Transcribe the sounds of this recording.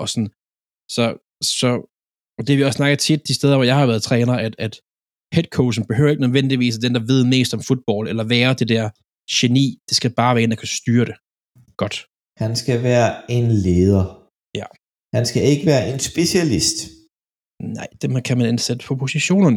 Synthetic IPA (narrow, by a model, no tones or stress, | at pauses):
ɒ̽sɒ̽n | sɒ̽ | sɒ̽ | ɒd̥eæʋiɒ̽sːsnɑ̈ɡ̥ɐt͡sʰid̥ːisd̥eð̞ˠɐʋɒjɑ̈ɪhɑ̈ʋæɐð̞̩ˠt͡sʰʁɛːnɐʔæd̥æd̥ | hed̥̚kʰoʊsn̩b̥e̝hø̰ʊɐe̝ɡ̥nøðˠʋen̰d̥iʋḭːs̬æd̥end̥ɑ̈ʋe̝ð̞̰ˠme̝̰ːsd̥ɒ̽mfud̥̚b̥ɒ̰ːlelɐʋæːɐd̥e̝d̥æɐ̰ | ɕe̝nḭːd̥esɡ̥æb̥ɑ̈ːʋæːɐe̝ndækʰæsd̥yːɐɾ̥e̝ | ɡ̥ɒ̽d̥ | hænsɡ̥æʋæːɐe̝nleːð̞ˠɐ | jæ | hænsɡ̥æeɡ̥əʋæːɐʔe̝nsb̥e̝ɕælisd̥ | nɑ̈ɪ̰d̥emkʰæmænensed̥ə̥pʰɒ̽pʰo̝siɕo̝̰ːnɐn